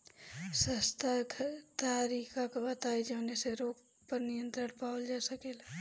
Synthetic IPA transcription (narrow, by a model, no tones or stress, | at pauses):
səst̪ʰakʰt̪aːɾiːkʰakabət̪aːid͡ʒəneseɾoːɡ | pəɾnijə̃nt̪ɾəɽpaːwld͡ʒasəkela